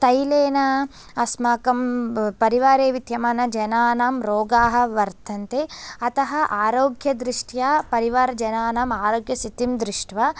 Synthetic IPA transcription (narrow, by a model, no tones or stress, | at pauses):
t̪ɐjleːnɐ | ɐsmaːkɐmpɐɾiʋaːɾeːʋid̪ʱjɐmɐnɐd͡ʒɐnaːnaːmɾoːɡaːɦɐ̆ʋɐɾt̪ʰɐnt̪eɐt̪ɐɦɐ̆ʔaːɾoːɡjɐd̪ɾiʂʈjaːpɐɾiʋaːɾɐd͡ʒɐnaːnaːmaːɾoːɡjɐsit̪imd̪ɾiʂʈʋa